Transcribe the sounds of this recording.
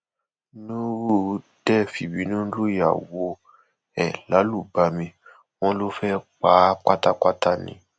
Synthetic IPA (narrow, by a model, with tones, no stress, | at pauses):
nũ˦ɾu˦˨˦d̥ɛ˦˨fi˨bĩ˨˦nũ˦lu˦˨ja̰˨wo˨˧ | ɛ̰˨la˨˦lu˦˨ba˧mĩ˧ | w̃ɔ̃˦lo˦fɛ˦k͡pa˨˦k͡pa˦ta˦k͡pa˦ta˦˨nḭ̃˨˦